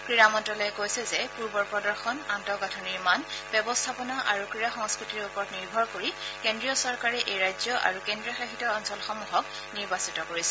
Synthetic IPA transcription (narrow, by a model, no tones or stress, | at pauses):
kɹiɹamɔntɔlɔɛkojsɛzɛpuɹbɔɹpɹɔdɔɹxɔnantɔɡatʰɔniɹmanb̥jɛbɔstʰapɔnaʔaɹukɹiɹaxɔŋskɹitiɹupɔɹɔtniɹbʱɔɹkoɹikendɹijɔsɔɹkaɹɛʔejɹajzjɔʔa̰ɹukendɹijɔxaxitɔɔnsɔlxɔmuɦɔk | niɹbasitɔkoɹisɛ